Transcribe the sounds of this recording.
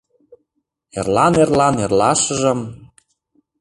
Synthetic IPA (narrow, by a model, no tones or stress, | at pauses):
ḛrlɑnerlɑnerlɑʃɤ̆ʒɤ̆m